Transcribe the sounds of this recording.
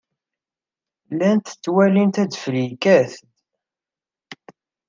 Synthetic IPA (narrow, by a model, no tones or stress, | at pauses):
lænt̪t͡sːwælint̪æd̪flikæθt̪